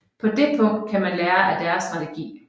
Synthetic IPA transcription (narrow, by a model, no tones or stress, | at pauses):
pʰɒ̽d̥e̝pʰɔ̽ŋ̰d̥̚kʰæmænlæːɐʔæd̥æɐsd̥ʁɑ̈t͡sʰeɡ̥ḭː